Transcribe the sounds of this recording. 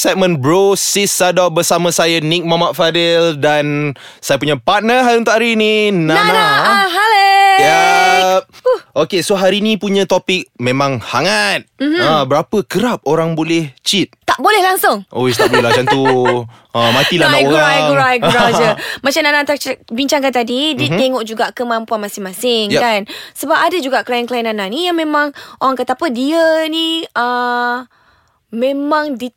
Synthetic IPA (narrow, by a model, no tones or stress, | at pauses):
sɛʔ̚mə̃nbɾosisadabəsamə̃sajanik̚mamaʔfadɛldan | sajap̬uɲapat̪̚nəɦaɾiunt̪aʔaɾininaanaɦaleja | ʔokesoɦaɾinĩpuɲə̃t̪opik̚mẽmãŋhaŋat̪̚abəɾapəkəɾap̚oɾaŋbolɛht͡ʃit̪̚t̪aʔbolɛhlaŋsʊŋʔo̰ist̪abolad͡ʒant̪u | əmãt̪ilaaouauɾaiɡuɾad͡ʒəmat͡ʃamnanat̪at͡ʃbiɲt͡ʃaŋkant̪adidit̪ɛŋɔʔd͡ʒuɡaʔkəmampuanmasɪŋmasɪŋjkansəbap̚adəd͡ʒuɡaʔkəlajankəlajinananijaŋmẽmãŋʔoɾaŋkət̪apədiəniə | mẽmãŋdi